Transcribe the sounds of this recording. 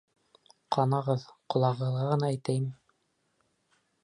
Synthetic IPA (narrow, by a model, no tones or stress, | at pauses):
qɑnɑʁɤðqŏlˠɑʁɤ̆ðʁɑʁɤ̆nɑæjt̪æjmɘ